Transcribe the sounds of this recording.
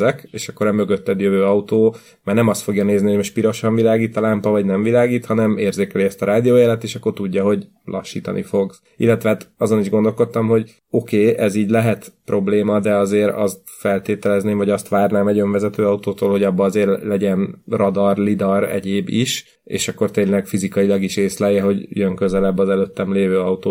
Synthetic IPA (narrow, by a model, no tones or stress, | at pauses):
ɛkeːʃɒkːo̞ɾɛmø̞ɡøt̪ːɛd̪jøvøːɒut̪oː | maːrnɛmɒst̪fo̞ɡjɒneːzniho̞ɟmoʃpiɾo̞ʃɒɱvilaːɡiːt̪ɒlampɒvɒɟnɛɱvilaːɡiːt̪hɒnɛmeːrzeːkɛliɛst̪ɒɾaːd̪ijoːjɛlɛt̪ːeːʃɒkːo̞rt̪uɟːɒɦo̞ɟ | lʔɒ̰ʃːḭːt̪ɒ̰nʔḭfo̞ɡ | ḭlːɛt̪ʋɛaːt̪ɒzo̞niʒɡo̞nd̪o̞lko̞t̪ːɒmɦo̞ɟ | o̞keːʔɛziːɟlɛɦɛt̪prʔo̞bleːmɒd̪ɛɒzeːɾɒ̰st̪fɛlt̪eːt̪ɛlɛzneːɱvɒɟɒst̪ʋaːrnaːmɛɟø̞ɱvɛzɛt̪øːɒut̪oːt̪oːlho̞ɟɒbːɒzeːrlɛɟɛnrɒd̪ɒrlid̪ɒrɛ̰ɟeːbiʃ | ḛːʃɒkːo̞rt̪eːnlɛɡfizikɒilɒɡiʃeːslɛjɛɦo̞ɟjøŋkø̞zɛlɛbːɒzɛløt̪ːɛmleːvøːɒut̪oː